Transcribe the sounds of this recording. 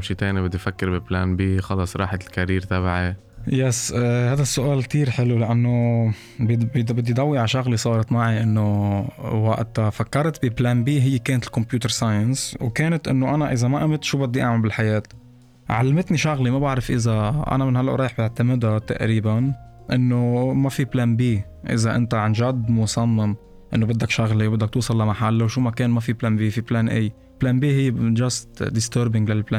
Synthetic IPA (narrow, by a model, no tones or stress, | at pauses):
mʃit̪eːnibɪd̪ːifakːɪɾbɪplaːnbiːxɑlɑsˤɾˤɑ̰ːħakaɾiːɾt̪abaʕi | jɛsːhaːd̪asːʊʔaːlk̚t̪iːɾħɪlulaʔanːo | bbbɪd̪ːid̪ˤɑwːiʕaʃɑɣlisˤɑːɾˤɑt̪maʕiʔɪnːo | wa̰ʔt̪afakːɑɾˤt̪biblaːnbiːɦɪjːkeːnat̪ɪlkʊmpjuːt̪əɾˤsaːjənswkeːnɪt̪ʔɪ̰nːoʔanaʔɪzamaʔamɪt̪ʃuːbɪd̪ːiʔa̰ʕmambɪlħajeːt̪ | ʕa̰lːamɪt̪niʃʊɣlimabaʕɾɪfʔɪzaʔa̰namɪnhalːaʔɾˤɑːjħbɪʕt̪amɪd̪at̪a̰ʔɾiːban | ʔɪnːomafiplaːnbiː | ʔɪ̰zaʔɪ̰nt̪aʕanʒad̪mʊsˤɑmːɪm | ʔɪnːobɪd̪ːakʃaɣlewbɪd̪ːak̚t̪uːsˤɑlːamaħalːawʃuːmakeːnmafiplaːnbiːfiplaːnʔej | plaːnbiːɦɪjːed͡ʒast̪d̪ɪst̪əːɾbɪŋɡlalplaː